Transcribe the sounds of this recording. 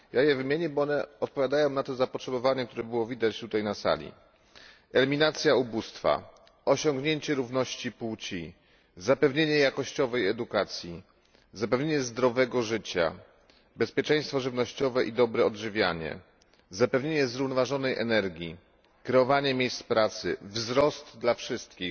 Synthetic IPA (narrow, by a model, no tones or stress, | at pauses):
jajɛvɘmʲjeɲɛbɔɔnɛɔt̪̚pɔvʲjad̪ajɔ̃w̃nat̪ɔzapɔtʂɛbɔvaɲɛkt̪uɾɛbɘwɔvʲid̪at͡ɕt̪ut̪ajnasa̰lʲḭ | ɛlʲimʲinat̪sʲjaubust̪fa̰ | ɔɕɔŋɡɲeɲt͡ɕɛɾuvnɔɕt͡ɕiput͡ɕi | zapɛvɲeɲɛjakɔɕt͡ɕɔvɛjɛd̪ukat̪sʲji | zapɛvɲeɲɛzd̪ɾɔvɛɡɔʐɘt͡ɕa̰ | bɛspʲjɛt͡ʂɛ̃j̃st̪fɔʐɘvnɔɕt͡ɕɔvɛʔid̪ɔbɾɛɔdʐɘvʲja̰ɲɛ̰ | zapɛvɲeɲɛzɾuvnɔvaʐɔnɛjʔɛ̰nɛɾɡʲji | kɾɛɔvaɲɛmʲjejst̪pɾat̪sɘ̰vzɾɔst̪d̪lafʂɘst̪kʲix